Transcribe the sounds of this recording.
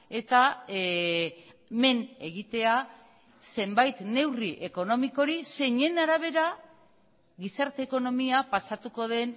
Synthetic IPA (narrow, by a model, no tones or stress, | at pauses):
e̞t̪a | me̞ne̞ɣit̪e̞a | se̞mbajt̪ne̞wriʔe̞ko̞no̞miko̞ɾise̞ɲe̞naɾaβ̞e̞ɾa | ɣisaɾt̪e̞ːko̞no̞miapasat̪uko̞ð̞e̞n